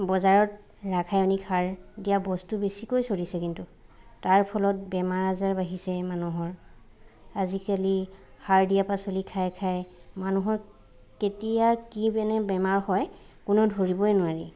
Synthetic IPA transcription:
bɔzaɹɔt̚ | ɹakʰajɔnikhaɹdijabɔstubesikojsoɹisɛkintu | taɹpʰɔlɔt̚bɛmaɹazaɹbaɦisɛmanuɦɔɹ | azikali | haɹdijapasolikʰajkʰajmanuɦɔɹ | ketijakibɛnɛbɛmaɹhɔj | kunɔdʱoɹibɔɛnʊaɹi

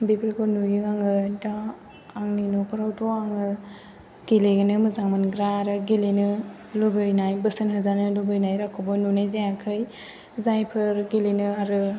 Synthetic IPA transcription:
bipʰəɾkʰonujɯaŋɯdaː | ŋninopʰɯɾawtʰoaŋɯ | ɡ̥eleɡɯnɯmɯzaŋmanɡɾaːɾɯɡelenɯ | lubɯɾnajbɯsɯnɦɯzanɯlubɯjnajɾakʰobɔnunajzajakʰɯj | zajpʰɯɾɡelenɯaɾɯ

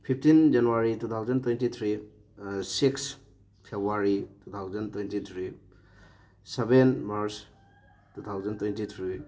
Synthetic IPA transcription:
pʰip̚ʰtind͡ʒanuaɾitut̪ʰawzɐntwentit̪ʰɾi | siks | pʰebɾuaɾitʰut̪ʰawzɐntwejntitʰɾi | sebenmaɾs | tut̪ʰawzɐntwentit̪ʰɾi

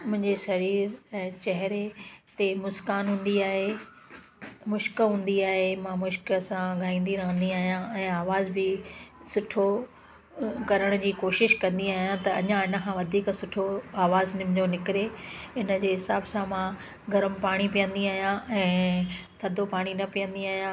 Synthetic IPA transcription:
mʊ̃ɦɪ̃ɲd͡ʑeʃɐɾiːɾɛ̃ːt͡ɕɐɦɾet̪emʊskaːnɦũːn̆d̪iaːɦe | mʊʃkɦũːn̆d̪iaːɦemãmʊʃksãɡʱaːĩːn̆d̪iɾɐɦə̃n̆d̪iaːɦijãɛ̃ːaːʋaːzbɪsʊʈʰo | kɐɾəɽ̃d͡ʑiːkoːʃɪʃkɐ̃nd̪iaːɦjãt̪ɐɐɲãɪnə̆kʰãːʋɐd̪ʱiːksʊʈʰoaːʋaːznɪmd͡ʑonɪkɪɾeɪnə̆d͡ʑeːɦɪsaːbsãmã | ɡʱɐɾəmpaːɽ̃ipijə̃nd̪iaːɦijãʔɛ̃ːt̪ʰɐd̪ʱopaːɽ̃inɐpijə̃nd̪iaːɦijã

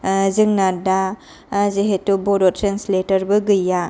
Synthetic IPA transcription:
zɯŋnada | zeɦetubodɔtʰɾensletɐɾbɯɡɯja

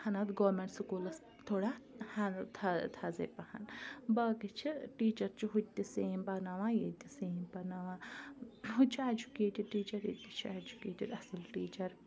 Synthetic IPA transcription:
hɐnɐt̪ɡoːmeɳʈsukuːlɐs | t̪ʰoːɽaːhɐt̪ʰɐt̪ʰɐzḛːpɐhɐ̰nbɐkit͡ʃʰiʈiːt͡ʃɐɾt͡ʃʰiɦut̪̚d̪iseːmpɐnaʋaːjed̪iseːmpɐnaʋãː | ɦut͡ʃʰied͡ʒukeːʈiɖ̚ʈiːt͡ʃɐɾid̪it͡ʃʰied͡ʒukeːʈiɖɐsɨlʈiːt͡ʃɐɾ

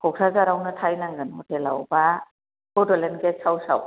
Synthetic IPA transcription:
kʰɔk̚sazaɾawnɐtʰajnaŋɡɯnhɔtelawba | kɔdɔlenɡesawsa̰w

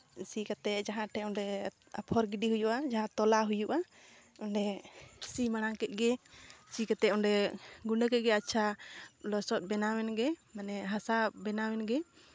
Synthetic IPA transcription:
sikat̪ɛd͡ʒaɦãʈʰɛɔnɖɛ | apʰɔɾɡiɖiɦujuʔad͡ʒaɦãt̪ɔlaɦujuʔa | ɔnɖɛsimaɽ̃aŋkɛʔ̚ɡɛt͡ʃikat̪ɛʔɔɳɖɛɡuɳɖəkɛʔ̚ɡɛat͡ʃʰalɔsɔt̪̚ˀbɛnawɛnɡɛmanɛɦasabɛnawɛnɡɛ

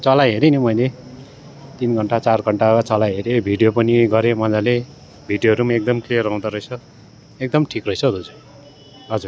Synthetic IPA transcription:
t͡sʌlaɦeɾenimʌjle | t̪inɡʱʌɳʈat͡sarɡʱʌɳʈaat͡sʌlajɦeɾebʱiɖijopʌniɡʌɾemʌd͡zale | bʱiɖjoɦʌɾumaek̚d̪ʌmklijʌrːʌw̃d̪aɾʌit͡sʰʌ | ek̚d̪ʌmʈʰikrʌjt͡sʰʌd̪ud͡zʌ | ʌd͡zur

